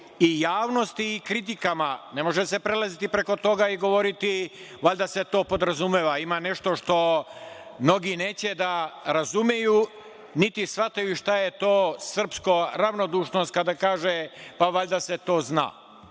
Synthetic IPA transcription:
ijaːʋno̞st̪iːkɾit̪ikamane̞mo̞ʒese̞pɾelazit̪ipɾe̞ko̞t̪o̞ɡaiɡo̞ʋo̞ɾit̪iʋaʎʲd̪ase̞t̪o̞ːpo̞d̪ɾazumeːʋaimane̞ʃt̪o̞ʃt̪o̞ | mno̞ɡineːt͡ɕed̪aɾazumjeju | nit̪isʋat̪ajuʃt̪ajet̪oːsr̩pskoɾaʋno̞d̪uːʃnost̪̚kad̪akaːʒepaʋaʎd̪aset̪o̞ːzna̰ː

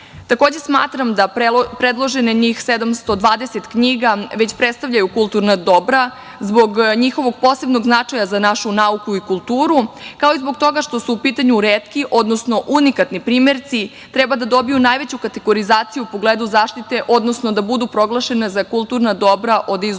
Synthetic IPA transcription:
t̪akoːd͡ʑe̞sma̰ːt̪ɾamd̪apɾed̪lˠo̞ʒe̞neɲixsed̪amst̪o̞d̪ʋaːd̪e̞set̪kɲiɡaʋe̞t͡ɕpɾet̪st̪aʋʎʲajukulˠt̪uɾnad̪o̞bɾa | zbo̞ɡɲixo̞ʋo̞ɡ̚po̞se̞bno̞ɡznat͡ʂajazanaʃunaukuikulˠt̪uːɾukaoizbo̞ɡt̪o̞ɡaʃt̪o̞suːpiːt̪aɲuɾeːt̪kiʔo̞d̪no̞sno̞ʔunikat̪nipɾiːme̞ɾt̪si | t̪ɾebad̪ad̪o̞bijunajʋe̞t͡ɕukat̪eɡo̞ɾizaːt̪sijuːpo̞ɡleːd̪uzaːʃt̪it̪e̞ʔo̞d̪nosnod̪abud̪upɾo̞ɡlˠaʃe̞nezakulˠt̪uɾnad̪o̞bɾaʔo̞d̪iz

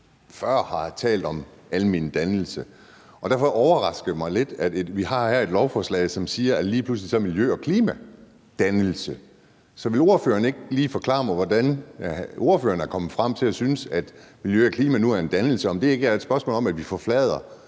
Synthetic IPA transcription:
fɶɐ̰hɑ̈t͡sʰɛ̰ːld̥ɒ̽mælmind̥ænl̩sə | ɒ̽d̥æɐfɒ̽ʔɒʊɐʁɑ̈sɡ̥əmɑ̈ɪle̝d̥ædeʋihɑ̈hæɐe̝d̥lɒʊfɒslɛ̰ɪsɒ̽msiːɐæliːpʰluslisɒ̽ɐmiljøːɒ̽kʰliːmæ | d̥ænl̩sə | sɒ̽ʋe̝lo̝ɐføːɐnəe̝ɡ̥liːfɒ̽kʰlɑ̰̈ːmɑʋɒdæn | o̝ɐføːɐnæɐkʰɒ̽mð̩ˠfʁɑm̰t͡sʰe̝læsynəsæd̥miljø̰ɒkʰliːmænuæɐe̝nd̥ænl̩səɒ̽md̥e̝e̝ɡ̥æɐed̥sb̥ɶɐsmo̰ːlɒ̽mæd̥ʋifɒflɛːð̞ˠɐ

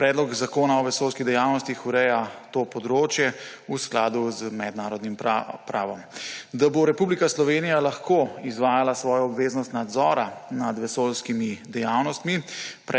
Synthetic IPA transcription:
pɾɛːd̪lɔɡzakoːnaɔʋɛsoːlskid̪ɛjaːwnɔst̪ixuɾɛjat̪opɔd̪ɾoːt͡ʃjɛusklaːd̪uzmɛd̪naːɾɔd̪nimpɾa̰ːʋɔmd̪aboɾɛpublikaslɔʋeːnijalaxkoːizʋaːjalasʋɔːjɔɔbʋeːznɔst̪nad̪zɔːɾanad̪ʋɛsolskimid̪ɛjaːwnɔst̪mipɾ

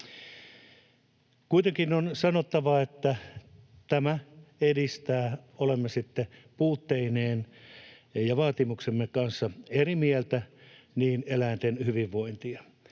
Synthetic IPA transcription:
kuit̪eŋkinonsɑnot̪ːɑʋɑet̪ːæ | t̪æmæedist̪æːolemːesit̪ːepuːt̪ːeineːn | jɑʋɑːt̪imuksemːekɑnsːɑerimielt̪æniːnelæint̪enhyʋiʋʋoint̪iɑ

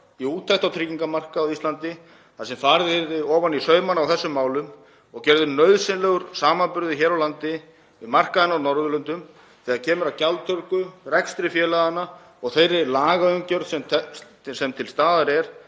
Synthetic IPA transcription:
iuːt̪ʰːajht̪awt̪ʰɾiːciŋkamar̥kaːwðist̪lant̪ɪ | θaðsɛmfaːɾðɪɾɪɔːvanisœːɥmanawθɛsːʏmːaːwlʏm | ɔɣcɛɾðʏnœɥðsɪnlɛɣʏɾ̥saːmanpʏɾðʏçɛːɾawlant̪ɪ | vɪðmar̥kaðɪnːaɔnɔɾðʏlʏnt̪ʏm | θɛːɣaðcʰɛːmʏɾawcawlt̪ʰœɾkʏrɛkst̪ɾɪfjɛːlaɣðanːa | ɔɣθejɾɪlaːɣaœɥŋcœɾðsɛmʰ | sɛmt̪ʰɪlst̪aːðaɾɛɾ̥

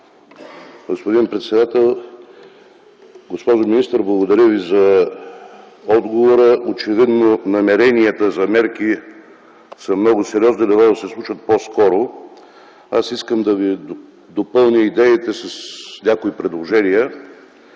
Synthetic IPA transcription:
ɡospod̪inpɾɛt̪sɛd̪at̪ɛlˠ | ɡospɔʒominist̪əɾblˠɐɡod̪ɐɾʲəvizɐ | ɔd̪ɡovoɾəʔot͡ʃɛvid̪nonɐmɛɾɛniət̪əzɐmɛɾki | sɐmnɔɡʊsɛɾʲiɔznilɛvad̪ɐsɛslˠut͡ʃət̪̚poskɔɾo | asiskəmd̪ɐvi | d̪opɤlˠnʲəid̪ɛit̪ɛsəsnʲakoipɾɛd̪lˠoʒɛnijə

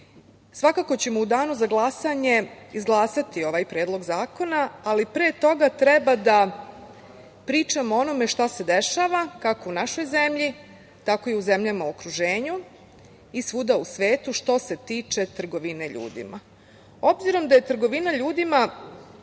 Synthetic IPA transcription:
sʋakako̞t͡ɕe̞moud̪aːnuzaɡlˠasaɲe̞izɡlˠaːsat̪io̞ʋajpɾe̞ːd̪lˠo̞ɡzaːko̞naːlipɾeːt̪o̞ɡat̪ɾebad̪a | pɾiːt͡ʃamoo̞no̞me̞ʃt̪ase̞d̪eʃaːʋakako̞unaʃo̞jzemʎi | t̪ako̞iuze̞mʎamauokɾuʒe̞ːɲu | isʋud̪ausʋe̞ːt̪uʃt̪o̞se̞t̪iːt͡ʃe̞t̪ɾr̩ɡo̞ʋine̞ʎṵːd̪ḭma | o̞bziɾo̞md̪aje̞t̪r̩ɡo̞ʋinaʎuːd̪ima

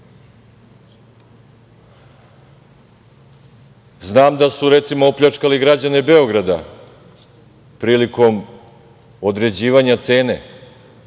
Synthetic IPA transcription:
znaːmd̪asuɾe̞t̪simoopʎat͡ʂkaliɡɾad͡ʑane̞be̞o̞ɡɾad̪a̰ | pɾiːliko̞m | od̪ɾe̞d͡ʑiːʋaɲat̪se̞ːne̞̰

